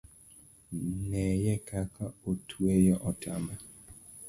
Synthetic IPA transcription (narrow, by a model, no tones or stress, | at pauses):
nɛjɛkakaotʰwejɛʔɔtʰamba